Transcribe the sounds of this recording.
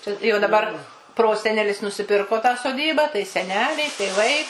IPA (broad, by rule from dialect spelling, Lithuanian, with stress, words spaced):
ˈt͡ʃʲɛ jɛʊ dɐˈbɐr ˈproːsʲɛnʲɛlʲɪs nʊsʲɪˈpʲɪrkoː tɑː soːˈdʲiːbɑː tɐɪ sʲɛˈnʲæːlʲɛɪ tʲeːˈʋɐɪ